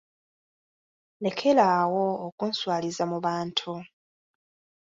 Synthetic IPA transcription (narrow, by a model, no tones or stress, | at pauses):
le̞kʰe̞lawo̞ːkunswaːlizamuβaːntʰu